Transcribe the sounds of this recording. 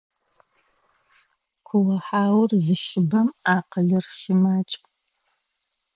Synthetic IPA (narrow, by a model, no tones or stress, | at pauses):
kʷʰʊʁɐħaːwʊrzɨʃɪbɐmaːqəɮɨrʃɪmaːt͡ʃʼ